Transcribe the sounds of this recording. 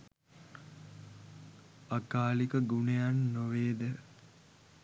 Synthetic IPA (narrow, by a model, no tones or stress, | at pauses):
akaːlikəɡunejanːoʋeːd̪e